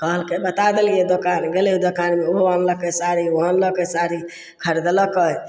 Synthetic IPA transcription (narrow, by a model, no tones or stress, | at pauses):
kəɦəlkebət̪ad̪elijed̪okanɡeleɦud̪okanmeoɦoanləkəsaɾiɔɦənləkəsaɾi | kʰəɾed̪ləkəj